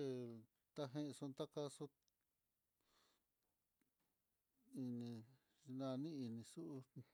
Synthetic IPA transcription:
e˧ | t̪a˦ɦẽ˧ʔsu˧t̪a˦ka˧su˦ | i˧nĩ˧ | nã˧nĩ˦i˧nĩ˧su˦ʔ

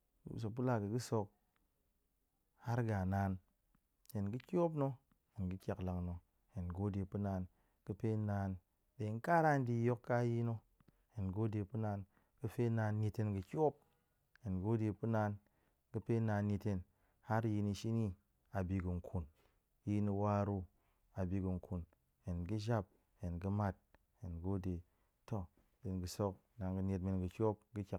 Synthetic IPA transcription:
s̬o˧k̚p̬u˦la˦kɨ˨ɡɨ˦so˧k̚ | ha˦ɾɡa˨naː˨˦n | he˨nɡɨ˦kʲo˦p̬no˦ | he˨nɡɨ˦kʲa˨kla˧ŋno˧ | he˨nɡo˦de˧pu˦naː˧n | kɨ˦pe˦naː˧n | de˨ŋ̩˦ka˦ɾa˦n̩˦di˧˦jo˦kːa˦ji˦no˦ | he˨nɡo˦de˧pu˦na˧n | kɨ˦˧fe˦naː˧n˦ɲʲe˧te˧nɡɨ˧kʲo˦p̚ | je˨nɡo˦de˧pu˦na˧n | kɨ˦pe˦na˧nɲe˧te˧n | ha˦ɾji˧ni˧ʃi˦ni˦ | a˨bi˧ɡɨ˨ŋ̩˨kʰu˨n˦ | ji˦ni˧wa˦ɾu˦ | a˨bi˧kɨ˨ŋ̩˨kʰu˨n | he˨nɡɨ˦d͡ʒa˦˨p̚ | he˨nɡɨ˧ma˦˨t̚ | he˨nɡo˦de˨ | to˦ | be˨nɡɨ˨so˦k̚na˨nɡɨ˧ne˧t̚me˨˧nɡɨ˨kʲo˦p̚ɡɨ˦kʲa˨

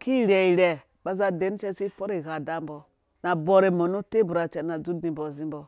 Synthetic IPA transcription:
ki˦ɾɛ˨i˨ɾʲɛ˨ | ɓa˦za˦de˨˦n˦t͡ʃɛ˦si˦fo˦ɾe˨ɣa˨da˦mbo˨ | na˨bo˨ɾe˨mo˨no˦te˦bu˨ɾa˨t͡ʃɛ˨na˨d͡zu˦dni˨mbo˨zi˦mbo˨

